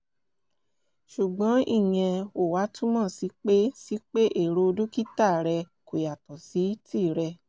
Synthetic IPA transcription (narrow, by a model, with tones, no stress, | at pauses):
ʃu˨ɡ͡bɔ̃˨˦i˦˨j̃ɛ̃˧o˨wa˨˦tũ˦mã˦˨si˨˦k͡pe˦si˦k͡pe˦ʔe˦˨ɾo˧dũ˦ki˦ta˦˨ɾɛ˧ | ko˨ja˨tɔ˨si˨˦ti˦˨ɾɛ˧